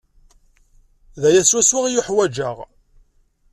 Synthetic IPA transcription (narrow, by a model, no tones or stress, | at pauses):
ðæjæswæswɪʁjʊħwæd͡ʒəʁ